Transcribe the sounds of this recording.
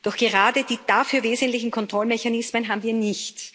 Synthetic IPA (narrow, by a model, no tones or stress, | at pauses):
d̥ɔxɡ̥əʁaːdəd̥iːd̥aːfyːɐveːzəntlɪçn̩kʰɔntʁ̥ɔlmɛçanɪsmənɦaːbmviːɐnɪçt